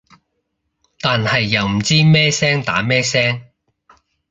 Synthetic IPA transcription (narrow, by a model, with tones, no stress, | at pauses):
t̪aː˨nhɐ˨jːɐ˨˩wm̩˨˩t͡siː˥mɛː˥sɛː˥ŋt̪a̰ː˨˥mɛː˥sɛː˥ŋ